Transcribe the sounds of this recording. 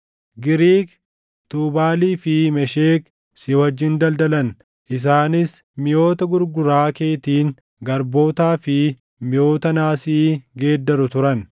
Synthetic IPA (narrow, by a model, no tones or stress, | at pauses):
ɡɪɾiːk | t̪uːbaːliːfɪmɛʃeːk | sɪwɐd͡ʒːɪnd̪ɐld̪ɐlɐn | ʔɪs̬aːnɪs | mɪjo̞ːt̪ɐɡʊɾɡʊɾaːke̞ːt̪iːŋ | ɡɐɾbo̞ːt̪aːfɪ | mɪjo̞ːt̪ɐnaːsiːɡe̞ːd̪ːɐɾʊt̪ʊɾɐn